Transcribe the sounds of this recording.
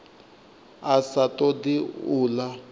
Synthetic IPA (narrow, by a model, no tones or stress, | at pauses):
asatɔdiuːla